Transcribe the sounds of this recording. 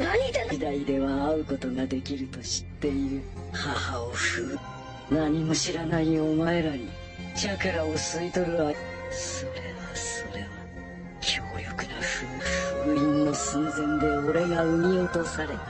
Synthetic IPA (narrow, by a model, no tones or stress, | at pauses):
id̪aid̪e̞βaːɯ̟ko̞t̪o̞ɡad̪e̞kʲiɾɯ̟t̪o̞ɕi̥t̪ːe̞iɾɯ̟ | hahaoɸɯː | naɲ̟imo̞ɕiɾanaiomaeɾaɲi | d͡ʑakaɾaosɨit̪o̞ɾɯ̟βa | so̞ɾe̞βaso̞ɾe̞βa | kʲʰoːjokɯ̟naɸɯːɸɯːĩnːo̞sɨ̃nzẽ̞nd̪e̞o̞ɾe̞ɡaɯ̟mʲiot̪o̞saɾe̞